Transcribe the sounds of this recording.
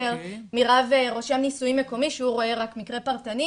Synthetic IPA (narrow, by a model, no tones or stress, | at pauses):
eʁmiʁaveʁo̞ʃemnisuimːe̞ko̞miʃeuʁo̞e̞ʁakmikʁe̞paʁt̪ani